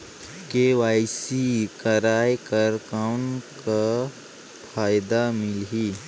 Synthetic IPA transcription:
keːʋaːɪsikəɾaːjkəɾkaʊnka | pʰaːɪd̪amɪlɦiː

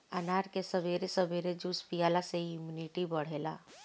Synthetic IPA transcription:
ənaɾkesəbeɾesəbeɾed͡ʒuspijaːlaseiimjuniʈibəɽ̤ela

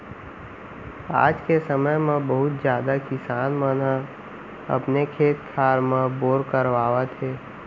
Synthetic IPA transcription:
a̰ːd͡ʒkesəməjmẽbəɦʊt̪d͡ʒjaːd̪akɪsaːnmənɦã | ɐ̰pnekʰeːt̪̚kʰaːɾmẽboːɾkəɾʋaːʋət̪ɦeː

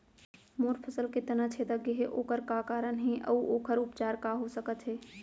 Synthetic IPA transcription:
moːɾpʰəsəlket̪ənat͡ʃʰed̪əkeɦeʔoːkəɾkakaːɾənɦẽʔə̰uʔoːkəɾʊpt͡ʃaːɾkaɦosəkət̪ɦɛː

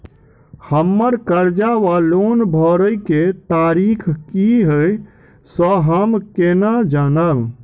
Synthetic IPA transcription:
həmːəɾkəɾd͡ʒaʋalonbʱəɾəjket̪aɾikʰkiɦəj | səɦəmkenad͡ʒanəl

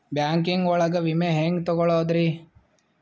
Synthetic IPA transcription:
bjaːŋkiŋɡɔɭɐɡɐʋimeɦeːŋɡt̪ɔɡɔɭoːd̪ɾi

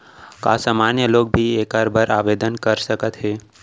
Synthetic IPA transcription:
ka̰ːsaːmaːnjəloːɡ̚bʱieːkaːɾbʱəɾaːʋeːd̪ənkəɾsəkət̪ɦɛː

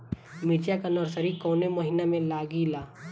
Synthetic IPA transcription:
mɪt͡ʃjakanɔːɾsəɾikɔːneməɦɪnamẽlaːɡilaː

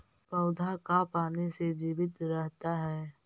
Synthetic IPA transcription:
pəʊd̪ʱakapaːnesed͡ʒiːʋɪt̪ɾɛɦt̪aɦɛː

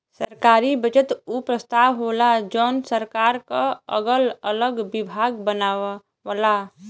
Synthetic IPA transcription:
səɾkaːɾibət͡ʃət̪upɾəst̪aːʋɦoːlad͡ʒɔnsəɾkaːɾkaə̰ɡələləɡbɪbʱaːɡbənaːʋ | ʋala

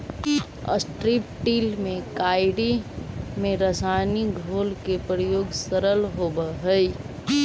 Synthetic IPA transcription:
ə̰sʈɾipʈiːlmẽkaːɪɽimẽɾəsaniɡʱoːlkepɾəjoːɡsəɾəlɦoːbəɦəj

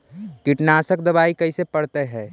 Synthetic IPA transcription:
kiʈnaːsək̚d̪ɐbaːikɐisepəɽt̪eɦɛ̃ː

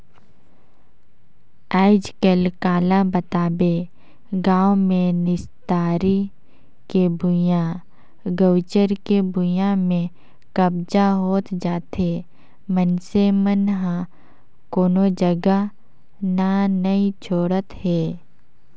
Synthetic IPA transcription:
aːɪd͡ʒkəlkaːlabət̪aːbe | ɡãːwmẽnɪst̪aːɾi | kebʱʊjã | ɡəwt͡ʃəɾkebʱʊjãmẽ | kəbd͡ʒaɦoːt̪d͡ʒaːt̪e | mənsemənɦã | koːnod͡ʒəɡa | nanɐĩt͡ʃʰoːɽət̪ɦɛː

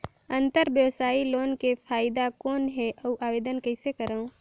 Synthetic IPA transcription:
ə̃nt̪əɾbjəwsaːiloːnkepʰaːɪd̪akoːnɦɛʔɐuʔaːʋeːd̪ənkəɪsekəɾaõ

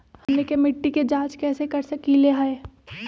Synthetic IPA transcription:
hɐmnekemɪʈːiked͡ʒaːd͡ʒkɛːsekɐɾsɐkileɦaeː

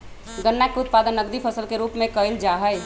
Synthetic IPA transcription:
ɡənːakːeʊt̪̚paːd̪ənːəɡd̪ipʰɐsəlkeɾuːpmẽkəɪld͡ʒaːɦəj

